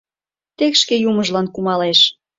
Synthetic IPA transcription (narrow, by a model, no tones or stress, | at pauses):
t̪ekʃkejuməʒlɑnkumɑleʃ